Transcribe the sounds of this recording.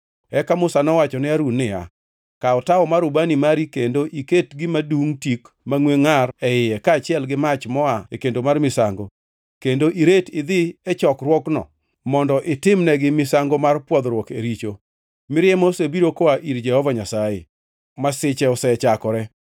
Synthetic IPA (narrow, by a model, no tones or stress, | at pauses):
ɛkamʊsanɔwat͡ʃɔnɪaɾunːɪa̰ | kaɔtaɔmaɾʊbanimaɾikendoʔiketɡɪmaduŋtik | maŋweŋarɛɪjɛkaːt͡ʃɪɛlɡɪmat͡ʃmɔaekendomarmɪsa̰ŋɡo | kendoʔiɾetɪd̪ɪɛt͡ʃɔkrwɔknɔ̰ | mɔndɔʔɪtɪmnɛɡɪmɪsaŋɡomarpwɔd̪ɾwɔkḛɾit͡ʃo | mɪɾjɛmosebiɾokoaʔiɾd͡ʒɛhɔvaɲasajḛ | masɪt͡ʃɛɔsɛt͡ʃakɔɾɛ